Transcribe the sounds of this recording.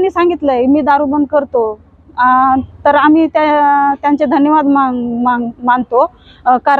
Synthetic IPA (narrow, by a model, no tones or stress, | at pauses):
nːiːsãŋɡit̪ləjmiːd̪aɾubənkəɾt̪o | t̪əɾamiːt̪at̪jant͡sed̪ʱənjəʋad̪mamaŋmant̪o | kaɾ